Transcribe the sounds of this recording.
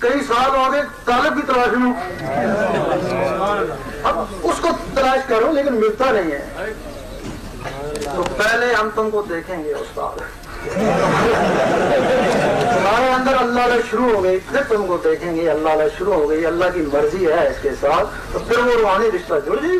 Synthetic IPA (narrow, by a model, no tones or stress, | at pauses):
kɐisaːb̪aːɡeːt̪aːlɪb̚kit̪əlaːʃnõː | ɐbʊskot̪ɐlaːʃkəɾõːleːkɪnmɪlt̪anɐɦĩɦɛː | t̪oːpɛːɦleɦɐmt̪ʊmkod̪eːkʰẽːŋɡeʊ̰st̪a̰ːd̪ | t̪ʊmaːɾeə̃nd̪əɾɐlːaɦlaʃʊɾuɦoːɡəipʰɪɾt̪ʊmkod̪eːkʰẽːŋɡeɐlːaːlaʃʊɾuɦoːɡəiɐlːaːkiːmɐɾziɦɛːɪskesaːt̪ʰ | t̪oːpʰɪɾʋoɾʊɦaːniɾɪʃt̪ad͡ʒod͡ʒiː